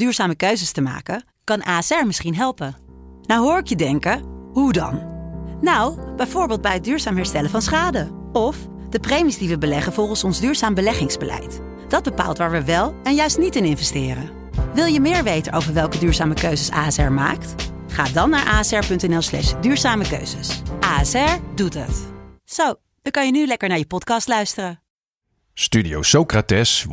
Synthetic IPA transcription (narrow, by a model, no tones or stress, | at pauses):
d̥yːɹzaːməkøɥzəstəma̰ːkə | kɑnʔaːsɛɹmɪsχinɦɛlˠpə | nawɦʊːɹɪkjədɛŋkəɦudɑ̰nnawb̥ɛjvoːɹbɪːlˠd̚bɛjɦəd̚dyːɹzaːmɦɛɹstɛləvɑnsχaːdə | ɔf | d̥əprejmizdiʋəbəlɛχənvɔlˠχənsɔnzdyːɹzaːmbəlɛχɪŋzbəlʔɛ̰jt | d̥ɑd̚bəpa̰ːlˠtʋaːɹʋəʋɛlˠɛnjœɥstnitɪnɪnvɛstɪːrə | ʋɪlˠjəmɪːɹʋejtənowvəɹʋɛlˠkədyːɹzaːməkøɥzəsa̰ːɛsɛɹma̰ːkt | χaːdɑnːaːɹʔaːɛsɛɹpɵntɛnɛlˠslɛ̰ʃdyːɹzaːməkø̰ɥzəsʔaːɛsɛɹdutə̰tz̥ow | dɑkɑnjənylɛkəɹnaːɹjəpɔtkɑstlœɥstərən | stydiowsowkratɛs